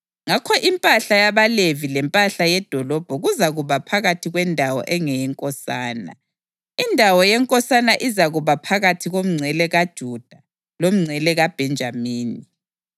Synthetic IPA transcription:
ŋakʰɔʔimpʼaɬajaβalevilɛmpʼaɬajɛd̥ʱɔlɔb̥ʱɔɣuzaɣuβapʰaɣatʰiɣwɛndʱawɔ̰ʔɛŋɛjɛŋkʼɔsaːna̰ | indʱawɔjɛŋkʼɔsanaʔizaɣuβapʰaɣatʰiɣom̩ŋ͡ǀʱɛlɛɣad̥ʒ̥ʱud̥ʱa | lom̩ŋ͡ǀʱɛlɛɣab̥ʱɛnd͡ʒʱamiːni

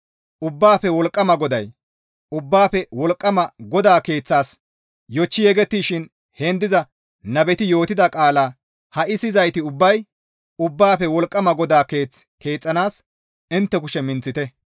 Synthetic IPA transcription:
ʔʊbːaːfɛwɔlkʼːɐmɐɡɔd̪ɐj | ʊbːaːpɛwɔlkʼːɐmɐɡɔd̪aːke̞ːt͡sːaːs | jɔt͡ʃːɪjɛɡɛt̪ːiːʃɪn | heːnd̪ɪzɐ | nɐbɛt̪ɪjo̞ːt̪ɪd̪ɐkʼaːlaː | hɐʔɪsɪzɐjt̪ɪʊbːɐj | ʊbːaːfɛwɔlkʼːɐmɐɡɔd̪aːke̞ːt͡s | ke̞ːt͡sʼːɐnaːs | ɪnt̪ːɛkʊʃɛmɪnt͡sːɪt̪ɛ

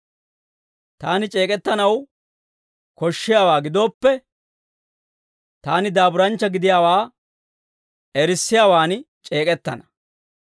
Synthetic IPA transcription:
t̪aːnɪt͡ʃʼe̞ːkʼɛt̪ːɐnɐw | kɔʃːɪjaːwaːɡɪd̪o̞ːpːɛ | t̪aːnɪd̪aːbʊɾɐnt͡ʃːɐɡɪd̪ɪjaːwaː | ɛɾɪsːɪjaːwaːn | t͡ʃʼe̞ːkʼɛt̪ːɐ̰nɐ̥

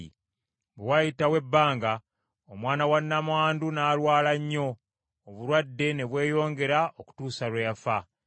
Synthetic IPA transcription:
ḭ | bewajitawe̞bːaːŋɡa | omwaːnawanːamwaːndunaːlwaːlaɲːo̞ː | βuɾwadːe̞ne̞βwe̞ːjo̞ːŋɡe̞ɾaoku̥tuːsalwejafa

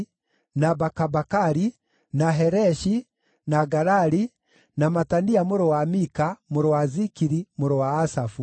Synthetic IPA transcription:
nabakabakaɾi | naɦɛɾɛʃi | naɡaɾaɾi | namataniamoɾɔwamikamoɾɔwazikiɾimoɾɔwaːsafu

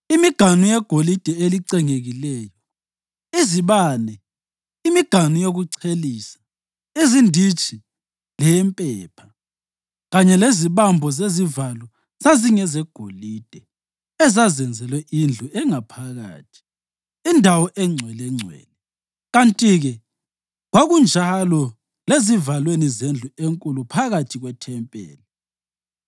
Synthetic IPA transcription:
imiɡ̥ʱanujɛɡ̥ʱolid̥ʱɛeliǀɛŋeɣilɛːjɔ | iziβaːnɛ | imiɡ̥ʱanujoɣuǀʰeliːsḁ | izindʱit͡ʃʰʼi | lɛjɛmpʼɛːpʰḁ | ɣaɲɛleziβambʱɔzezivalwɔ | z̥aziŋɛzɛɡ̥ʱo̰lid̥ʱɛ | ɛzazɛnd͡zʱɛlwɛʔind͡ɮʱuʔɛŋapʰaɣa̰ːtʰi̥ | indʱawɔʔɛŋ͡ǀʱwɛlɛŋ͡ǀʱwɛ̰ːlɛ | ɣantʼiɣɛ | ɣwaɣund͡ʒʱalɔ | lezivalwenizend͡ɮʱueŋkʼulupʰaɣatʰiɣwɛtʰɛmpʼɛ̰ːli

